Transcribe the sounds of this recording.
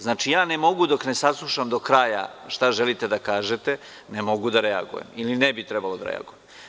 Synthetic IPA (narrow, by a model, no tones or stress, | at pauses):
znaːt͡ʃijaːnemo̞ɡud̪o̞kne̞saslˠuʃamd̪o̞kɾaːja̰ʃt̪aʒelit̪e̞d̪akaːʒet̪e̞ | nemo̞ɡud̪aɾea̰ɡṵje̞̰milinebit̪ɾe̞balˠo̞d̪a̰ɾḛa̰ɡujem